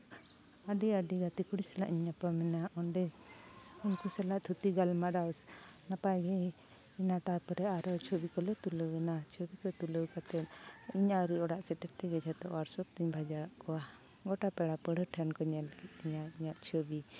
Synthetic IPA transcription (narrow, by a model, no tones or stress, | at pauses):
aɖiaɖiɡat̪ikuɽisɛla̰ʔiɲapamɛnaʔɔnɖɛ | unkusɛlaʔt̪ʰut̪iɡalmaɖawsnapaɡɛ | inaʈapəɾɛaɾɔt͡ʃʰobikɔlɛt̪uləwɛnat͡ʃʰobikɔt̪uləwkat̪ɛt̪̚iɲaɾiɔɽaʔsɛʈɛɾt̪ɛɡɛd͡ʒʰat̪ɔʔwaɾsɔp̚t̪iɲbʱad͡ʒaɾaʔkɔwa | ɡɔʈapɛɽapəɽəʈʰɛnkɔɲɛlkɛt̪iɲaiɲaʔt͡ʃʰobi